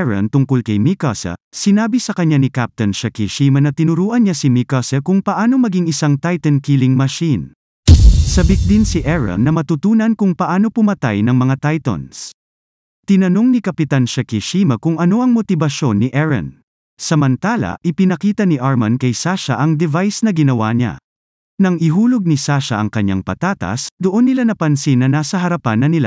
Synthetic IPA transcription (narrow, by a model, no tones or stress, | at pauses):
ɹɐ̰nt̪ʊŋkolkɐjmikasɐ̰sɪnaːbisɐkɐɲanikap̚t̪ɐnʃɐkiʃiːmɐnɐt̪ɪnʊɾuːʔɐnɲasimikasɐkʊŋpɐʔaːno̞mɐɡiŋɪsaŋt̪ajt̪ɐnkilɪŋmɐʃin | sɐbik̚d̪insiʔɛɹɐ̰nːɐmɐt̪ʊt̪uːnɐnkʊŋpɐʔaːno̞pʊmɐt̪a̰jnɐŋmɐŋat̪ajt̪ɐ̰ns | t̪ɪnɐno̞ŋnikɐpɪt̪anʃakiʃimɐkʊŋɐno̞ʔɐŋmot̪ɪbɐʃo̞nːiʔɛɹɐ̰n | sɐmɐnt̪aːlɐ̰ʔɪpɪnɐkiːt̪ɐniʔaɹmɐnkɐjsaʃɐ̰ʔɐŋd̪ɛvajsnɐɡɪnɐwa̰ɲa̰ | nɐŋɪɦuːloɡ̚nisaʃɐ̰ʔɐŋkɐɲːa̰ŋpɐ̰t̪aːt̪ɐ̰sd̪oʔo̞nːɪlanɐpɐnsinːɐnaːsɐɦɐɾɐpanːɐnɪla̰